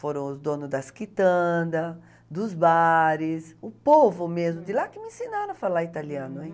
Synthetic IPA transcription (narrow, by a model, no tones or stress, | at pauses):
foɾɐ̃w̃ʊzd̪õnʊzd̪ɐskit̪ɐ̃d̪ɐ | d̪ʊzbaɾɪsʊpovʊmezmʊd̪ɪlakɪmɪẽsinaɾɐ̃ɐfalait̪aliɐ̃nʊɛ̃